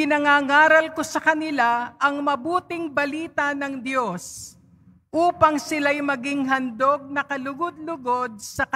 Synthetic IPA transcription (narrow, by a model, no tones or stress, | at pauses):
pɪnɐŋaːŋaːɾɐlkosɐkɐnɪlaʔɐŋmɐbuːt̪ɪŋbɐliːt̪ɐnɐŋd̪jo̞s | ʔuːpɐŋsɪlajmɐɡɪŋɦɐnd̪o̞ɡ̚nɐkɐlʊɡod̪lʊɡo̞d̪̚sɐkɐ